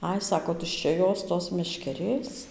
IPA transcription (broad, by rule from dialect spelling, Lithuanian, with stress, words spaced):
ˈɐɪ ˈsɑːkoː tʊʃʲt͡ʃʲɛ ˈjoːs ˈtoːs mʲɛʃʲkʲɛˈrʲeːs